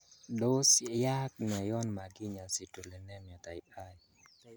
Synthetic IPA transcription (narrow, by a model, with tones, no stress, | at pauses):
do˦sja˦k̚nɛ˨jɔ˦nma˨ɡi˦ɲa˨si˨to˨le˨nɛ˦m˨ɔ˨t̪a˨ɪ˨a˦